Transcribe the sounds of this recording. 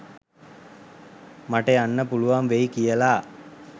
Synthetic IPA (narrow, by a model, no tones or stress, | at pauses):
maʈeanːəpuluʋamʋejkijəlaː